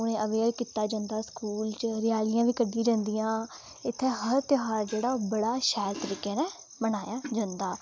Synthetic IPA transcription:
ʊñẽːʔəʋeːɾkiːt̪aːd͡ʒãːnd̪aːskuːlt͡ʃɾɪjaːlɪjãːʋiːkəɖĩːd͡ʒãːnd̪iːjãː | ɪt̪ʰːeːɦəɾt̪ɪɦaːɾd͡ʒeːɽaːoːbəɽaːʃɛːɾt̪əɾiːkeːnɛ̃ː | mənaːjaːd͡ʒãːnd̪aː

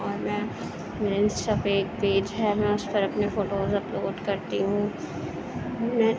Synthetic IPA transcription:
ɔːɾmɛ̃ː | ɾɪnsɐbeːk̚peːd͡ʒɦɛmɛ̃ʊspɐɾɐpnefoːʈoːzɐploːɖkɐɾt̪iɦũː | mɛ̃ː

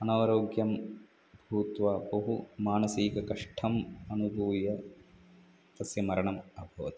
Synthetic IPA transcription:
ɐnaːʋɐɾoːɡjɐm | bʱuːt̪ʋɐbɐɦumaːnɐsiːkɐkɐʂʈʰɐmɐnubʱuːjɐ | t̪ɐsjɐmɐɾɐɳɐmɐbʱɐʋɐt̪ɐ̥

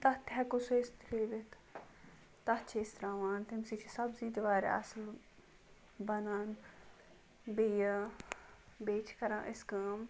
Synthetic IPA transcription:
t̪ɐt̪ɦɛkusest̪leːʋɪt̪ | t̪ɐt͡ʃʰest̪ɾaːʋaːnt̪emsit͡ʃʰisɐbziːd̪ʋaːɾḛɐ̰sl | bɐnaːn | beja | beːt͡ʃʰkɐɾãːʔɪskaːm

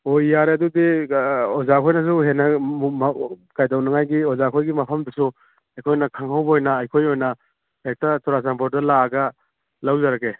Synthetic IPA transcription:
ojːaɾeɐdudiozakʰojnɐs̬uɦenɐumkajdawnɐŋajɡiozakʰojɡimɐpʰɐmdisu | ɐjkʰojnɐkʰaŋhawbojnɐɐjkʰojojnɐ | hek̚tɐtɔɾasampoɾdɐlaːɡɐ | lawzaɾaɡe

